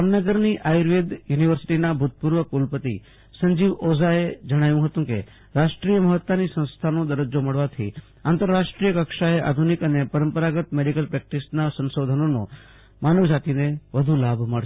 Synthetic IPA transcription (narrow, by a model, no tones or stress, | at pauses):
amnəɡəɾniʔajɾʋed̪juniʋəɾsi̥ʈinabʱut̪̚puɾʋəkulpət̪ḭ | səɲd͡ʒiʋozaed͡ʒəɽ̃aʋjũɦət̪ũkḛ | ɾaʃʈɾijəməɦət̪ːanisə̃ñst̪ʰanod̪əɾəd͡ʒoməɭʋat̪ʰḭ | ant̪əɾːaʃʈɾijəkəkʃaeʔa̰d̪ʱunikənepəɾəmpəɾaɡət̪meɖikəlpɾɛk̚ʈisnasə̃nsod̪ʱənono̰ | manəʋd͡ʒat̪ineʋəd̪ʱulabʱməɭ